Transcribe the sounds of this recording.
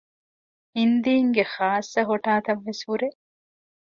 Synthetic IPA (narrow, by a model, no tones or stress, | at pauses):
hind̪iːŋɡeχaːsːɐɦoʈaːt̪ɐʋːeshuɾeʔ